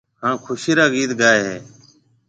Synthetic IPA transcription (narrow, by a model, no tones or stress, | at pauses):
hãːkʰʊʃiːɾaːɡiːt̪ɡaːeːɦeː